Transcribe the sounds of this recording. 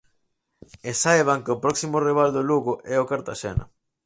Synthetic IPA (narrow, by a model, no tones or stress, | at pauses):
esajβ̞aŋkɪʊpɾɔksimʊriβ̞ald̪oluɣʊʔɛʊkaɾt̪aʃɛ̰nɐ̰